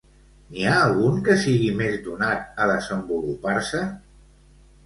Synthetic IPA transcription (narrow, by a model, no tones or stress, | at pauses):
niaːlˠɣuŋkəsiɣimezd̪unat̪̚əðəzəmbulupaɾsə